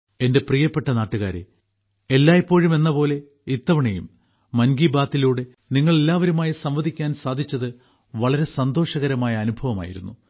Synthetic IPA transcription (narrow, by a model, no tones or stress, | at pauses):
e̞nde̞prijɐpːe̞ʈːɐnaːʈːuɣa̰ːɾḛ | elːaːjipːo̞ːɻume̞nːɐpo̞ːle̞ | it̪ːɐʋɐɳejumː | ɐnɡiːbaːt̪ːiluːɽe̞ | niŋːɐɭe̞lːaːʋɐɾumaːjisɐmʋɐd̪ʱikʲːaːnsaːd̪ʱit͡ɕːɐðɨ | ʋɐɭɐɾe̞sɐnd̪o̞ːʂɐɣɐɾɐmaːjɐːnubʱɐʋɐma̰ːjḭɾṵnːu